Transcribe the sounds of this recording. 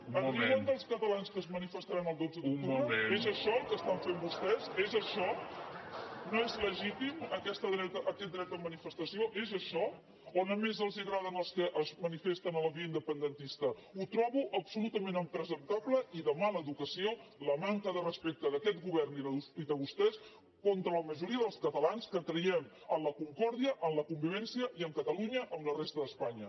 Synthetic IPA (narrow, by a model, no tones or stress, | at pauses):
əniand̪əlˠskət̪əlanskəːzmənifəst̪aɾanəlˠd̪ozəðukt̪uβɾezəʃɔkəst̪aɱfembust̪ɛzezəʃɔ | noezləʒit̪iməkɛst̪əðɾɛt̪əʔːkɛt̪̚d̪ɾɛt̪əmənifəst̪əsioʔezəʃɔ | onəmezəlˠziəɣɾaðənəlˠskəʔəzmənifest̪ənələβiəind̪əpənd̪ənt̪ist̪əut̪ɾɔβuʔəpsulut̪əmenəmpɾəzənt̪aβləʔiðəmaləːðukəsioləmaŋkəðərəspɛk̚t̪əðəkɛt̪̚ɡuβɛrniðəuiðəɣust̪ɛs | kont̪ɾələməʒuɾiəðəlˠskət̪əlanskət̪ɾəjɛm | ənləkuŋkɔɾðiəʔəmləkumbiβɛnsiəʔiəmkət̪əluɲəʔəmlərest̪əðəspaɲə